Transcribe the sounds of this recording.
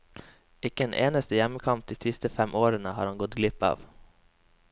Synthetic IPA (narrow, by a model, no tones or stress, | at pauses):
ɪkəeːnʔḛːnəst̪əjɛməkʰɑmp̚d̪iːsɪst̪əfɛmʔoːɾənəhɑːɾhɑŋɡɔt̪ɡlɪpɑ̰ːʋ